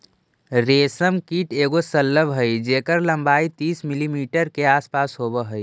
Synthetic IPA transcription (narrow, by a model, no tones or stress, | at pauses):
ɾeːsəmkiːʈeːɡosəlːəbɦəid͡ʒeːkəɾlə̃mbaːit̪iːsmilimiːʈəɾkeaːspaːsɦoːbəɦəi